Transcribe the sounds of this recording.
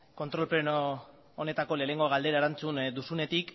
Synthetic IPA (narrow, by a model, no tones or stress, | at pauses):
ko̞nt̪ɾo̞lpɾenoː | ne̞t̪ako̞le̞ːneŋɡo̞ɣald̪e̞ɾaeɾant͡sund̪usune̞t̪ik